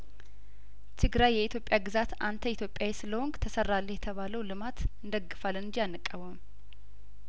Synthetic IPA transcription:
t̪ʰɨɡɾajːɛit̪ʰjo̞pʼːjaɡɨzat̪ant̪ʰəit̪jo̞pʼjawɛsɨləwoŋɡt̪ʰəsərːalːəjɛt̪ʰəβaləwlɨmat̪ɨnd̪əɡːɨfalːɨnɨd͡ʒianːɨkʼːəβəm

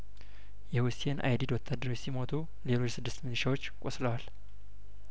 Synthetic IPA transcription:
jɛwʊsenʔa̰jd̪id̪wɔt̪ʰːad̪ːəɾwot͡ʃːsimo̞t̪ʰu | le̞lo̞t͡ʃːsɨd̪ːɨst̪mɨnɨʃawot͡ʃːkʼosləwal

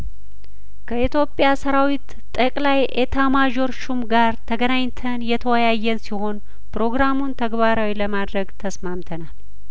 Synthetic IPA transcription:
kʰəit̪jo̞pʼjasəɾawit̪ʼːəkʼlajʔet̪ʰamad͡ʒo̞ɾʃumɡaɾt̪ʰəɡənaɲt̪ʰənjɛt̪ʰəwəjajːɛnsiho̞n | pɾo̞ɡɾamunt̪ʰəɡbaɾawiləmad̪ɾəɡt̪ʰəsmamt̪ʰənal

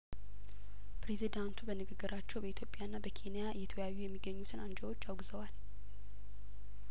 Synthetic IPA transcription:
pʰɾe̞zid̪ant̪ʰubənɨɡɨɡːɨɾʔat͡ʃːɛwbəit̪ʰjo̞pʼːjaɨnːabəkʰe̞nijaɨjːɛt̪ʰəjajːujɛmːiɡːəɲːut̪ʰɨnand͡ʒəwo̞t͡ʃːawɡzəwal

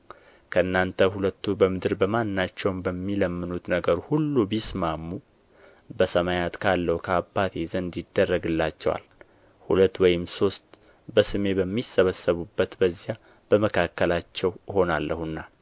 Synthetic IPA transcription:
kʰəɨnːant̪ʰəhulət̪ːubəmɨd̪ɨɾbəmanːat͡ʃːɛwnbəmːiləmːɨnut̪nəɡəɾhulːubismamːu | bəsəmajat̪kʰalːəwukʰəabːat̪ʰezənd̪ɪd̪ːərːəɡɨlːat͡ʃːɛwa̰l | hulət̪ːwɔjɪmso̞st̪ | bəsɨme̞bəmːisəβəsːəβubːət̪bəzja | b̥əməkʰakːəlat͡ʃːɛwho̞nalːəhɨnːa

